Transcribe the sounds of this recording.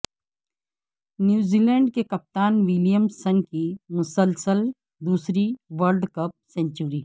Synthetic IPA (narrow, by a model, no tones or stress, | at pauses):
njuːziːlɛ̃ːɳɖkekɐp̚t̪aːnʋɪljəmsɐ̃ŋɡkimʊsəlsəl | d̪uːsɾiʋəlɖkɐp̚sɛ̃ːnt͡ʃuɾiː